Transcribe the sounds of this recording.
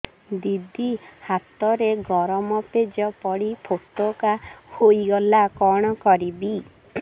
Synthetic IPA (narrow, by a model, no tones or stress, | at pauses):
d̪id̪ihat̪ɔɾeɡɔɾɔmɔped͡ʒɔpɔɽipʰokt̪okahojɡɔlakɔɽ̃ɔkɔɾibi